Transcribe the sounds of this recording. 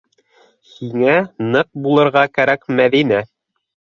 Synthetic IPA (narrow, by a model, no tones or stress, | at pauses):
hiŋænɤq̚bulˠɤ̆ɾʁɑkæɾækmæðinæ